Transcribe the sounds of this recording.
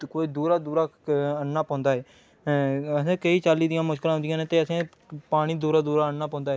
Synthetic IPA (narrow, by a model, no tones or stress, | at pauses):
koːiːd̪uːɾaːd̪uːɾaːənːaːpɔ̃ːnd̪aːɦɛː | əsẽːkəiːt͡ʃaːlːiːd̪ɪjãːmʊʃkɪlãːɦʊnd̪ɪjãːnẽːt̪eːəsẽː | paːɽ̃iːd̪uːɾaːd̪uːɾaːənːaːpɔ̃ːnd̪aːɦɛː